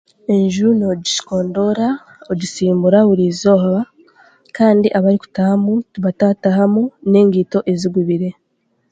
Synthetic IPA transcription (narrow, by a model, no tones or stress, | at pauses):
e̞ɲʒuunoɟiʃi̥ko̞ːndo̞ɾa | oɟisiːmbuɾaβuɾiːzo̞ːɦaβa | kaːndiʔaβaɾiku̥tahamutuβatataɦamune̞ːŋɡiːto̞ʔe̞ziɡwiβiɾe̞